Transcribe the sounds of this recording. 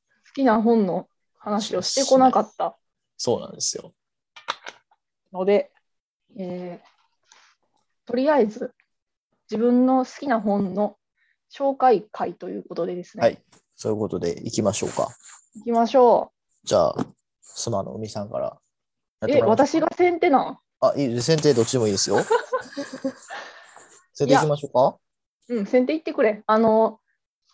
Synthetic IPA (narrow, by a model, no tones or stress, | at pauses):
sɨ̥kʲinaɦõ̞nːo̞ | hanaɕiio̞ɕi̥t̪e̞ko̞nakat̪ːa | so̞ːnã̰nd̪esɨjo̞̰ | no̞d̪e̞ | eː | t̪o̞ɾʲiaizɨ | d͡ʑibɯ̟̃nːo̞sɨ̥kʲinaɦõ̞nnːo̞ | ɕo̞ːkaikʰait̪o̞jɯ̟̰ːko̞t̪o̞d̪e̞d̪e̞sɨneai | soːjɯ̟ko̞t̪o̞d̪e̞̰ikʲimaɕo̞̰ːka̰ | ikʲimaɕo̞ː | d͡ʑa̰ː | sɨmano̞̰o̰mʲisãŋka̰ɾa̰ | jateβat̪aɕiɡasẽ̞nt̪e̞nã | aʔiːs̬ẽ̞nt̪eːd̪o̞t͡ɕːid̪emoiːd̪e̞sɨjo | sẽt̪eaikʲimaɕoːka | ɯ̟̃ɴsẽ̞nt̪e̞ːit̪ːe̞kɯ̟ɾe̞ano̞